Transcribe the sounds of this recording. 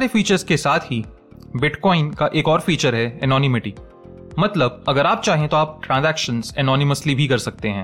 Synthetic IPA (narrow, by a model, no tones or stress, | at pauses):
aːɾefiːt͡ʃəɾzkesaːt̪ʰɦi | bɪʈkɔːɪnkaʔeːkɔːɾfiːt͡ʃəɾɦɛɛnɔːnɪmɪʈiː | mɐt̪ləb̚ɐɡəɾaːp̚t͡ʃaːɦẽt̪oaːp̚ʈɾãːnzɛːkʃə̃nzɛnɔːnɪməslibʱikɐɾsɐk̚t̪eɦɛ̃ː